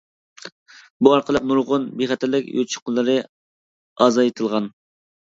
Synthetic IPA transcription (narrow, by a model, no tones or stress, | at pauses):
buɑɾqʰəlˠɨp̚nuɾʁʊnbeχɛt̪ʰæɾlːɪkʲjo̰t͡ʃʰə̥qəlˠːɨɾɨ | ɑzɑjet̪ʰɨlˠʁɑn